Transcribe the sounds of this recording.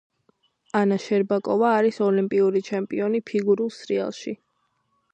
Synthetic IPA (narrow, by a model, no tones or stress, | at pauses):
anaʃɛɾbakʼɔvaːɾisɔlimpʼiuɾit͡ʃʰɛmpʼiɔnipʰiɡuɾulˠsɾia̰lˠʃi